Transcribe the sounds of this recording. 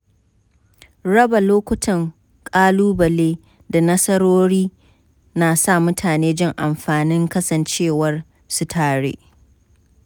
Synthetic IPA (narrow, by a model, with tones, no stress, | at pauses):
ɽɐ˦ba˨loː˦kʷʊ˦tʰɐ˨ŋ | kʼaː˦luː˦bɐ˨leː˦ | da˨nɐ˦sɐ˦ɽoː˦ɽiː˦ | naː˨sa˦˨mʊ˦tʰaː˨neː˦d͡ʒɪ˦ŋʔa˨mɸaː˨nɪ˦ŋkɐ˦sɐ˨nt͡ʃeː˦˨wɐ˦r | su˦tʰaː˨ɽḛː˦ʔ